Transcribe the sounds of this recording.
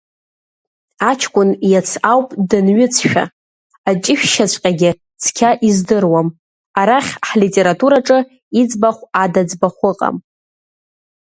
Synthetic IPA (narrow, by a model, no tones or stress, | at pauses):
at͡ʃʰkʷʼʊnjat͡sʰawpʼdɨnɥʏt͡sʰʃᶣa̰ | at͡ʃʼɪʃᶣʃat͡ɕʷʰʼqʲʼaɡʲɪ | t͡sʰkʲʰaʔizdɨrwam | aɾaχʲħlitʼe̞ɾatʼuɾaʈ͡ʂʼɨ | id͡zbaχʷadad͡zbaχʷʊqʼa̰m